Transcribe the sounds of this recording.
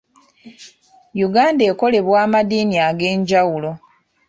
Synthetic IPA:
juɡaːnde̞ːko̞le̞βwaːmadiːniaɡe̞ːɲɟawulo̞

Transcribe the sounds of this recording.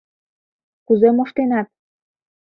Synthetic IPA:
kuzemoʃt̪enɑt̪̚

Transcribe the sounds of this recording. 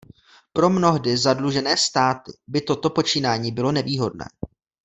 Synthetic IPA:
pɾo̞mno̞ɦdɪzadluʒɛnɛːst̪aːt̪ɪbɪt̪o̞t̪o̞po̞t͡ʃiːnaːɲiːbɪlo̞nɛviːɦo̞dnɛ̰ː

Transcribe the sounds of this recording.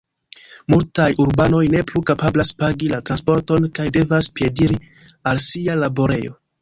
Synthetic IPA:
multajuɾbano̞jne̞plukapablaspaɡilatɾanspo̞ɾto̞nkajde̞vaspje̞diɾi | alsialabo̞ɾe̞̰jo̞̰

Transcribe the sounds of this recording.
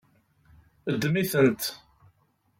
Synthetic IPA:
əd̪ːmiθənt̪

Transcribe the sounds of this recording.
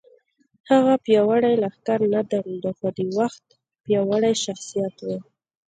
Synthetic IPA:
haɣapjɑwaɽajlaxkaɾnad̪aɾud̪axod̪əwaxt̪ | pjɑwaɽajʃaxsijat̪we

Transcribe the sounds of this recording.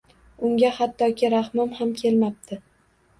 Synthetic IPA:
ʊŋɡʲahat̪ʰːɒkʲʰɪɾahmɒmhamkʲʰe̞lmap̚t̪ʰɪ

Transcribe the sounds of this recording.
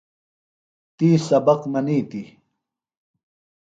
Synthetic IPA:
t̪iːsɐbɐqmɐniːt̪i

